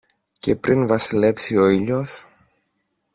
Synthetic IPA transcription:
ce̞pɾʔinvɐsile̞psio̞iʎos

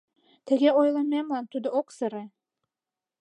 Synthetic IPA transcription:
t̪ʰĕɡʲeojlˠɤmemlˠɑnt̪ud̪ɤoksɤ̆ɾɘ

